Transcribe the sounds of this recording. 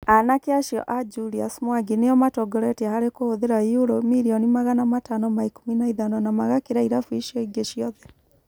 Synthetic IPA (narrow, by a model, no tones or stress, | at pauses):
anakeaʃjɔ̰ʔad͡ʒuɾiasmwaɡinejɔmatɔɡɔɾɛteahaɾekohoðeɾajuɾomiɾiɔnimaɣanamatanɔmaikominaiðanɔnamaɣakeɾaiɾafuiʃiɔiɡeʃijɔðɛ